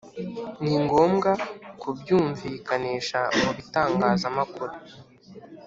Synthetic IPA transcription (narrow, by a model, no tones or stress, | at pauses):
niŋɡo̞ːmɡakubjuːɱviːkaniːʃamuβitaːŋɡaːzamakuɾu